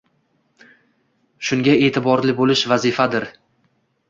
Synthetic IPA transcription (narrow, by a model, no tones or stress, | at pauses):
ʃʊŋɡʲae̞ːt̪ʰɪbɒɾlɪbolɪʃvazɪfad̪ɪɾ